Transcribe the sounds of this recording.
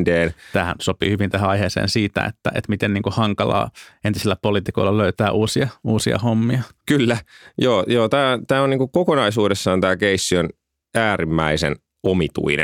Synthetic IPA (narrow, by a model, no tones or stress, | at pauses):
ndeːnt̪æːhæ̰nsopḭhyʋint̪ehæɑiheːsḛːnsiːt̪æ̰ḛt̪ːæʔḛt̪mit̪enniːŋkuhɑŋkɑlɑ̰ːent̪isilːæpoliːt̪ikoilːɑløyt̪æːʔuːsiɑuːsiɑ̰homːiɑkylːæjoːjoːt̪æːt̪æːoniːŋkukokonɑisuːdesːɑːnt̪æːkeisːion | æːɾimːæisḛn | omit̪ṵinḛ